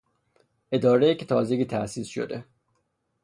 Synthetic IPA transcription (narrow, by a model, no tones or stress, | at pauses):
ʔe̞d̪ɒːɾejicʰet̪ʰɒːzeɡiːt̪ʰæʔsiːsʃo̰d̪e